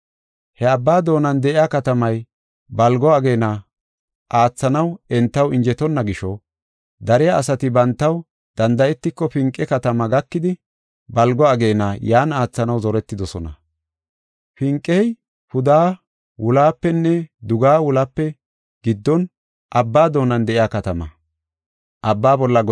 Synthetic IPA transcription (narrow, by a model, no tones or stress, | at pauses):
hɛɐbːaːd̪o̞ːnɐnd̪ɛʔɪjakɐt̪ɐmɐj | bɐlɡɔɐɡe̞ːnɐ | ʔaːt͡sːɐnɐwɛnt̪ːɐwɪɲd͡ʒɛt̪ɔnːɐɡɪʃɔ | d̪ɐɾɪjaːsɐt̪ɪbɐnt̪ːɐw | d̪̥ɐnd̪ɐjɛt̪ːɪkːɔfɪŋkʼːɛkɐt̪ɐmɐɡɐkːɪd̪ɪ | bɐlɡɔɐɡe̞ːnɐjaːnaːt͡sːɐnɐwzɔɾɛt̪ːɪd̪ɔsɔnɐ̰ | fɪŋkʼːɛj | hʊd̪aː | wʊlaːpːɛnːɛd̪ʊɡaːwʊlapːɛ | ɡ̥ɪd̪ːɔn | ʔɐbːaːd̪o̞ːnɐnd̪ɛʔɪjaːkɐt̪ɐmɐ̰ | ʔɐbːaːbɔlːɐ